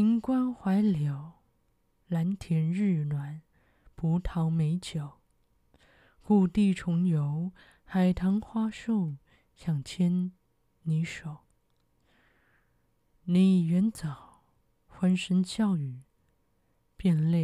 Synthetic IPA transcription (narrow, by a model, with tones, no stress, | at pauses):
i˧˥ŋkwa˥nxwa˧˥ɪljɑ˨˩ʊ | la˧˥nt̪ʰjɛ˧˥nɻɻ̩˥˩nwa˧˩˦n | pʰu˧˥t̪ʰɑ˧˥ʊme˧˥ɪt͡ɕjo˨˩˦ʊ | ku˥˧t̪i˥˩ʈ͡ʂʰʊ˧˥ŋjo˧˥ʊ | xa˨˩ɪt̪ʰɑ˧˥ŋxwa˥ʂo˥˩ | ɕjɑ˨˩ŋt͡ɕʰjɛ˥n | ni˧˥ʂo˨˩˦ʊ | ni˧˩jɛ˧˥nt͡sɑ˨˩ʊ | xwa˧˥nʂə˧˥nɕjɑ˥˩ʊy˨˩ | pjɛ˥˧nle˥˩